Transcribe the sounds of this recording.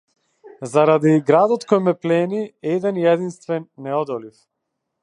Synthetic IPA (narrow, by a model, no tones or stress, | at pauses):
zaɾad̪iɡɾad̪ɔt̪kɔjmɛplɛniɛd̪ɛnjɛd̪inst̪vɛnːɛɔd̪ɔlif